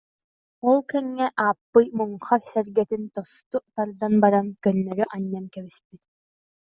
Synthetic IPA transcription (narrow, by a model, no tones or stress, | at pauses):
ɔlˠkɛŋːɛʔaːpːɯjmuŋχaksɛɾɡɛt̪int̪ɔst̪ut̪aɾd̪anbaɾankœnːœɾyʔaɲːamkɛβispit̪